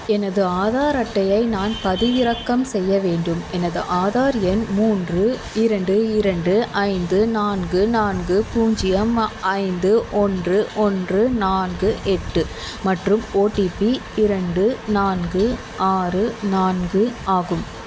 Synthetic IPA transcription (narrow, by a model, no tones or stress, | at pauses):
ɛnɐðɯaːðaːɾɐʈːɐjɐɪnaːnpɐðɪʋɪɾɐkːɐmsɛjːɐʋeːɳɖɯmɛnɐðɯʔaːðaːɾɪjɐnmuːndrɯ | ɪɾɐɳɖɯɪɾɐɳɖɯʔɐɪnd̪ɯnaːnɡɯnaːnɡɯpuːɲd͡ʒɪjɐmʔɐɪnd̪ɯʔɔndrɯʔɔndrɯnaːnɡɯʔɛʈːɯ | mɐʈrɯmoːʈipiɪɾɐɳɖɯnaːnɡɯ | ʔaːrɯnaːnɡɯaːɣɯm